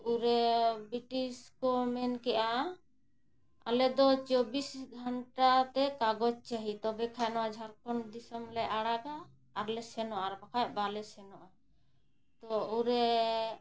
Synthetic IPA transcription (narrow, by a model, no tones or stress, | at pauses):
uɾɛbɾiʈiskɔmɛnkɛʔa | a̰lɛd̪ɔt͡ʃobisɡʱɔɳʈat̪ɛkaɡɔd͡ʒt͡ʃaɦit̪ɔbɛkʰajnɔwad͡ʒʱaɾkɔnd̪isɔmlɛʔaɽaɡaː | ɾlɛsɛnɔʔaɾbakʰaj̚balɛsɛnɔʔa | t̪ɔuɾɛ